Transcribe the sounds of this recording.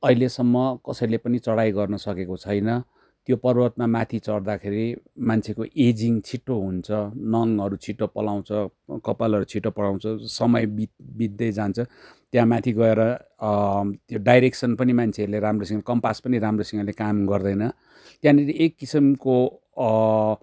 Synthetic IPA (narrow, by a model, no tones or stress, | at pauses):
ʌɦilesʌmːʌkʌsʌjlepʌnit͡sʌɽajɡʌrnʌsʌkekot͡sʰʌjnʌ | t̪jopʌrbʌt̪mamat̪ʰit͡sʌɽd̪akʰeɾimant͡sʰekoʔed͡ziŋt͡sʰiʈːoɦunt͡sʰʌnʌŋɦʌɾut͡sʰiʈːopʌlaw̃t͡sʰʌkʌpalʌɾut͡sʰiʈːopʌlaw̃t͡sʰʌsʌmʌjbibid̪ːʌjd͡zant͡sʰʌ | t̪jãmat̪ʰiɡʌeɾʌ | t̪joɖajɾeksʌnpʌnimant͡sʰeʌɾuleɾamrosiŋkʌmpaspʌniɾamrosiŋʌlekamɡʌrd̪ʌjnʌ | t̪jãniɾiekːisimko